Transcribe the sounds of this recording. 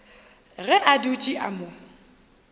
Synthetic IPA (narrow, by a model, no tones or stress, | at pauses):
ɣɛʔadut͡ʃʼiʔa̰mʊ